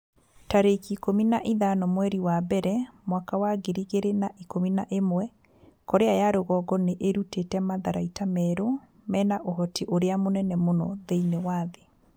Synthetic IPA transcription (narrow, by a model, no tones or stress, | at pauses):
taɾekikominaʔiðanɔmwɛɾiwabɛɾɛmwakawaɡeɾiɣeɾenaʔikominaʔemwɛ | kɔɾeajaɾoɣɔɡɔneʔeɾutetɛmaðaɾaitamɛːɾo | mɛːnaʔoɦɔtiʔoɾeamonɛnɛmonɔðeinewaːðe